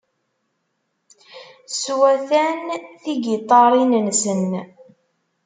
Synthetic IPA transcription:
swæθænθiɡit̪ˤːɑɾˤinənsən

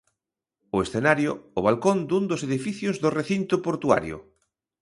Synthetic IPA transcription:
ʊesθenaɾjʊːβ̞alkond̪und̪ʊseðifiθjozðʊreθint̪ʊpoɾt̪ua̰ɾjʊ̰

